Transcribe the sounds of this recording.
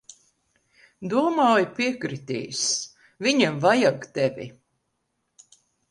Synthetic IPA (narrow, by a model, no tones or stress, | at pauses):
d̪uɔmaːjpiɛkɾit̪ḭːs | viɲamvajaɡt̪ɛvʲḭ